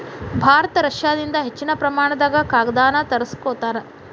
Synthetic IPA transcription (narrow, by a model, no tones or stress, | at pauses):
bʱaːɾɐt̪ɐɾɐʂjaːd̪ind̪ɐɦet͡ʃːinɐpɾɐmaːɳɐd̪aːɡɐkaːɡɐd̪aːnɐt̪ɐɾɐskoːt̪aːɾe